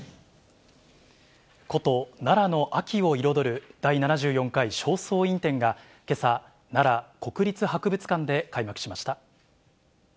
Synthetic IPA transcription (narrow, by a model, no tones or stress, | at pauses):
ko̞t̪o̞naɾano̞ʔakʲio̞iɾo̞d̪o̞ɾɯ̟d̪̥ainanaʑɨːjõ̞ŋkaiɕo̞ːso̞ːĩnt̪ẽ̞ŋɡa | ke̞sa | naɾako̞kɯ̟ɾʲit͡sɨhakɯ̟bɯ̟t͡sɨ̥kãnd̪e̞kaimakɯ̟̥ɕimaɕi̥t̪a